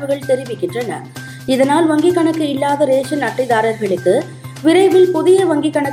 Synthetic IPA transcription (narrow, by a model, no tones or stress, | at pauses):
ʋɯɣɐɭt̪ɛɾɪʋɪkːɪndrɐnɐ̰ | ɪðɐnaːlʋɐŋɡɪkːɐɳɐkːɯɪlːaːðɐɾeːʂɐnɐʈːɪðaːɾɐɾɣɐɭɯkːɯ | ʋɪɾɐɪʋɪlpʊðɪjɐʋɐŋɡɪkːɐɳɐ